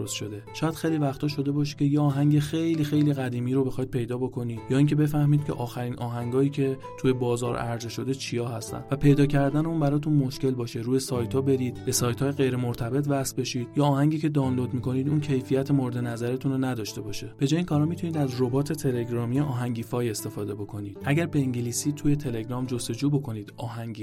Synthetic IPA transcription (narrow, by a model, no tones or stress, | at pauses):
ɾosʃod̪e̞ʃɒːjæd̪̥xe̞jlivæxt̪ʰɒːʃo̞d̪e̞bɒːʃ̬i̥cʰejeɒːɦæŋɟe̞xe̞jliːxe̞jliːɣæd̪iːmiːɾo̞be̞xɒid̪̚pʰe̞jd̪ɒːbo̞kʰo̞niːd̪̥jɒːiːŋcʰe̞be̞fæhmiːd̪̥̚cʰe̞̰ʔɒːxæɾiːnʔɒːɦæŋɡɒːiːcʰe̞ | t̪ʰujebɒːzɒːɾæ̰ɾzeʃo̞d̪e̞t͡ʃʰijɒːɦæst̪æ̰nd̪væpʰe̞jd̪ɒːcʰæɾd̪æneuːnbæɾɒːt̪ʰunmo̞ʃce̞lbɒːʃe̞ɾuːjesɒːjt̪ʰɒːbe̞ɾiːd̪̥̚b̥e̞sɒːjt̪ʰɒːjeɣe̞jɾe̞moɾt̪ʰæbe̞t̪ʰvæsbe̞ʃiːd̪̥jɒːhæŋɟiːcʰe̞d̪ɒːnlo̞d̪miːkʰo̞niːd̪uːncʰejfijæt̪ʰe̞moɾed̪e̞næzæɾet̪ʰunonæd̪ɒːʃt̪e̞bɒːʃeb̥e̞d͡ʒɒːjeiːnkʰɒːɾɒmit̪ʰuniːd̪æzro̞bɒːt̪ʰe̞t̪ʰe̞le̞ɡɾɒːmieʔɒːɦæŋɟiːfɒːje̞st̪e̞fɒːd̪e̞bo̞kʰo̞niːd̪̥ʔæɟæɾbe̞iŋɟeliːsiːt̪ʰuje̞t̪ʰe̞le̞ɡɾɒːmd͡ʒo̞st̪o̞d͡ʒuːbo̞kʰo̞niːd̪ɒːɦæŋɟiː